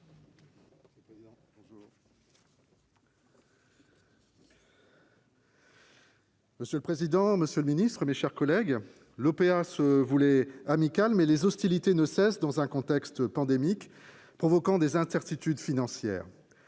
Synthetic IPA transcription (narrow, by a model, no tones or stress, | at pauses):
pẽuː | məsjøləpχezid̪ɑ̃məsjələminist̪χəmeʃɛʁkɔlɛɡ | lɔpeasəvulɛamikʲalmɛlezɔst̪ilit̪enəsɛsd̪ɑ̃zɛ̃kɔ̃t̪ɛkst̪pɑ̃d̪emik | pχɔvɔkɑ̃d̪ezɛ̃sɛʁt̪it̪yd̪finɑ̃sjɛ̰ːʁ